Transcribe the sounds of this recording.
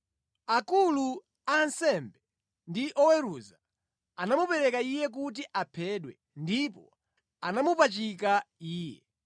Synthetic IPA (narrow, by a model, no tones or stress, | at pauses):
akulu | ansɛmbɛ | ndiʔɔwɛɾuza | anamupɛɾɛkaijɛk̬ut̬iʔapʰɛɗwɛ | ndipɔ̰ | anamupat͡ʃikaiːjɛ